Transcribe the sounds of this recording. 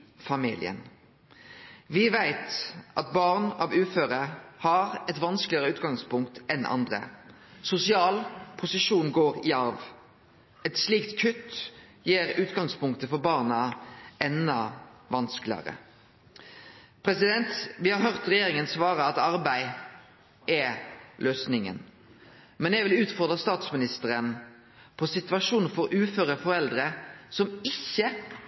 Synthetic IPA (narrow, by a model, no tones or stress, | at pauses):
fɑmḭːlɪ̰ə̰n | ʋɪʋæɪt̪ʔɑt̪̚bɑːʁnɑʋʉːføːʁəhɑɾɛt̪ʋɑnsklɪəʁəʉːt̪ɡɑŋspʊŋkt̪ɛnʔɑ̰nd̪ʁə̰ | sʊsɪɑːlpʰʊsɪʂuːnɡoːʁɪɑɾʋ | ɛt̪sliːkt̪kʰʉt̪ː | jiːɾʉːt̪ɡɑŋspʊŋkt̪əfɔɾbɑːʁnɑɛnːɑʋɑnsklɪɑ̰ɾə̰ | pʰɾɛsɪd̪ɛnt̪ʋɪhɑɾɦœʁt̪ʁɛjeːɾɪŋənsʋɑːɾəɑt̪ɑɾbæɪ | ʔɛlʔøːsnɪŋə̰n | mɛnjæʋɪlʉːt̪fɔʁd̪ʁəst̪ɑːt̪smɪnɪst̪əɾən | pʰɔsɪt̪ʉɑʂuːn̩fɔɾʉːføːɾəfɔɾɛld̪ɾəsɔmɪçːə